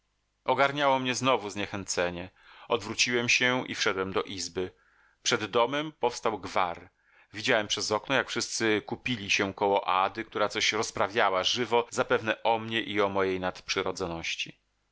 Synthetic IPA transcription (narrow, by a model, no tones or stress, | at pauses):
ɔɡaɾɲawɔmɲɛznɔvuzɲɛxɛnt̪sɛɲɛ | ɔd̪vɾut͡ɕiwɛmɕɛḭfʂɛd̪wɛmd̪ɔʔizbɘ | pʂɛd̪ːɔmɛmpɔfst̪awɡvaɾ | vʲid͡ʑawɛmpʂɛzɔknɔjakfʂɘst̪sɘkupʲilʲiɕɛkɔwɔʔad̪ɘk̚t̪uɾat̪sɔɕɾɔspɾavʲjawaʐɘvɔzapɛvnɛʔɔmɲɛʔiɔmɔjejnat̪pʂɘɾɔd̪zɔnɔɕt͡ɕḭ